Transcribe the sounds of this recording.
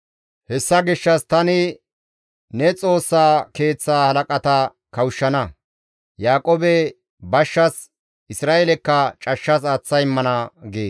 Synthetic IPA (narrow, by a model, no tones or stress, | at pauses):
hɛsːɐɡɪʃːɐst̪ɐnɪ | nɛt͡sʼo̞ːsːaːke̞ːt͡sːaːhɐlɐkʼɐt̪ɐ | kɐwʃːɐnɐ | jaːkʼoːbɛ | bɐʃːɐs | ɪsɾaːʔɛlɛkːɐt͡ʃʼɐʃːɐs̬at͡sːɐjɪmːɐnɐɡeːs